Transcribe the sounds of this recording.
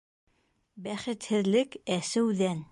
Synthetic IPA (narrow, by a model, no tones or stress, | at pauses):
bæχɘ̆t̪hɘ̆ðlɘkæsɘwðæn